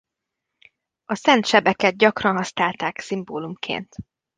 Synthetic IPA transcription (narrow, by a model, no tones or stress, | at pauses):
ɒsɛnt̪ʃɛbɛkɛd̪̚ɟɒkrɒnɦɒsnaːlt̪aːksimboːlumkʰḛːnt̪